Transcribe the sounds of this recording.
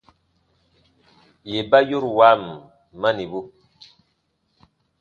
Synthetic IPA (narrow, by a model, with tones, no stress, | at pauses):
je˨ba˦jo˦ɾwa˦˨m˨ | mːa˦ni˨bu˦